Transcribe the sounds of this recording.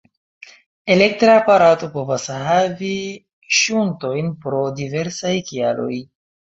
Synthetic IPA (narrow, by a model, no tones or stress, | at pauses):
elek̚tɾapaɾato̞po̞vashavi | ʃunto̞jnpɾo̞dive̞ɾsajkialo̞̰j